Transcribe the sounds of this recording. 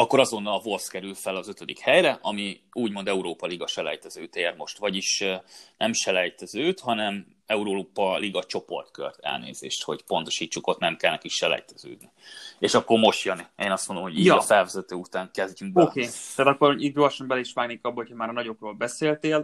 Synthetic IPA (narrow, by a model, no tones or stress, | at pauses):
ɒkːo̞ɾɒzo̞nːɒlɒvo̞lfskɛɾylfɛlɒzø̞t̪ød̪ikhɛjɾɛʔɒmiuːɟmo̞nd̪ɛuɾoːpɒliɡɒʃɛlɛ̰jt̪ɛzøːt̪eːrmo̞ʃt̪vɒɟiʃnʔɛmʃɛlɛjt̪ɛzøːt̪hɒnɛm | ɛuɾoːpɒliɡɒt͡ʃo̞po̞̰rt̪kø̰rt̪ɛ̰lnḛːzḛːʃt̪ho̞ɟpont̪o̞̥ʃiːt͡ʃːuko̞t̪nɛmkɛlnɛkiʃɛlɛ̰jt̪ɛzø̰ːd̪nieːʃɒkːo̞rmo̞ʃt̪jønieːnɒst̪mond̪omhoijfɛlvɛzɛt̪øːut̪aːŋkɛzɟyŋɡ̚bokeːt̪aːt̪ɒkːoɾiɟɾoɒʃɒmbɛlɛiʃʋaːɡneːkɒbːɒɦochɒmaːɾnɒɟo̞kroːlbɛseːlt̪eːl